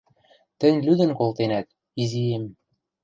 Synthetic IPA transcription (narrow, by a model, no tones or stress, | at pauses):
t̪ɘ̆nʲlyd̪ɘ̆nkolˠt̪enæt̪̚ | izijem